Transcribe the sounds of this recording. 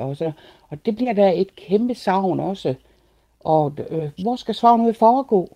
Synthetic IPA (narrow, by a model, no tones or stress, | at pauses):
ɒsɒn | ɒ̽d̥e̝b̥liɐ̰d̥æe̝d̥kʰemb̥əsɑ̈ʊ̰nɒ̽sə | ʔɒ̽ʋɒsɡ̥æsʋɑ̈ːnuæfɒːɡ̥ɔ̰ː